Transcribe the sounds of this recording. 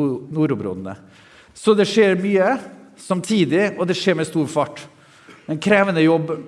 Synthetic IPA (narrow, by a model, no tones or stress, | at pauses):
nuːɾʊbɾɔ̰d̪nə̰ | sɔd̪ɛʂeːɾmyːəsɑmt̪ʰiːd̪ɪɔd̪ɛʂeːɾmɛst̪uːɾfɑʈ | ɛnkʰɾeːʋənəjɔbː